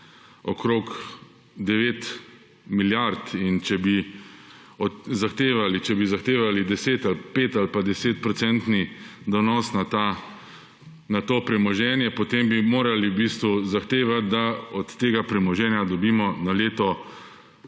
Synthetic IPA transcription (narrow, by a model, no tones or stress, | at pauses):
ɔkɾok | d̪ɛʋeːt̪ | miljaɾt̪int͡ʃɛbi | ɔzaxt̪eːʋalit͡ʃɛbizaxt̪eːʋalid̪ɛseːt̪alpeːt̪alpad̪ɛseːt̪̚pɾɔsɛnt̪nid̪ɔnɔːsnat̪a | nat̪oːpɾɛmɔʒɛːnjɛpɔt̪embimoːɾaliwbiːst̪ʋuzaxt̪eːʋat̪̚d̪aɔt̪ːeːɡapɾɛmɔʒɛːnjad̪ɔbiːmɔnaleːt̪ɔ